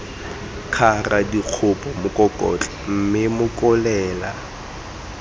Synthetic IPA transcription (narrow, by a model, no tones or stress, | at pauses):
kʰaradiq͡χʰʊpʼɔmʊkʼɔkʼɔ̰t͡ɬʼam̩mɪmʊkʼɔlɛːla̰